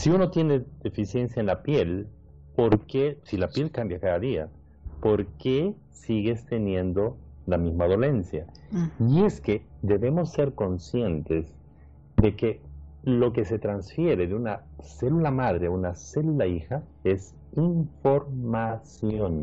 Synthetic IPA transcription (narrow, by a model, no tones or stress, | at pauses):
siuno̞t̪je̞ne̞ðe̞fisje̞nsjaenlapje̞l | po̞ɾkesilapje̞lkambjakaðaðia̰ | po̞ɾke | siɣe̞st̪e̞nje̞nd̪o̞lamizmaðo̞le̞nsjaie̞ske̞d̪e̞βe̞mo̞sːe̞ɾko̞nsje̞nt̪e̞z | d̪e̞ke̞lo̞k̬ese̞t̪ɾansfje̞ɾe̞ðeunase̞lulamað̞ɾeaunase̞lulaixa | e̞s | iɱfo̞ɾmasjo̞n